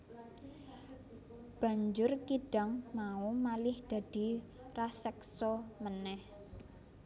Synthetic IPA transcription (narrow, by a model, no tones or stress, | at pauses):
b̥ä̤ɲd͡ʒʊrkiɖ̥a̤ŋmaumalɪhd̪̥ä̤d̪̥i̤ | rasɛksɔmənɛh